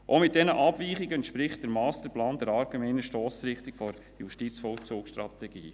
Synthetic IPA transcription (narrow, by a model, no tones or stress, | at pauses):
ʔomɪt̚dɛnəʔɑb̥viːχiɡəɛntʃpɾɪχt̚d̥ɛɾmɑːstəɾplɑːndɛɾɑɾɡɛmɛɪnəʃtɔːsɾɪχtɪkfɔɾ | juʃtit͡sfɔlt͡suːksʃtɾɑtɛɡḭː